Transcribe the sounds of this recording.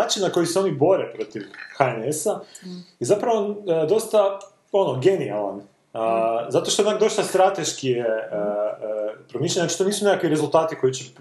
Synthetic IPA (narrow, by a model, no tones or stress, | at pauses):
aːt͡ʃinnako̞jiseo̞nibo̞ɾepɾo̞t̪iʋxaenesaizapɾaʋod̪o̞st̪a | o̞noɡe̞nia̰lˠa̰n | əzat̪oʃt̪onakd̪o̞st̪ast̪ɾat̪e̞ʃkije | pɾomiʃ̬aɲnat͡ʃit̪oniːsunekakʋiɾe̞zulˠt̪aːt̪iko̞jit͡ɕe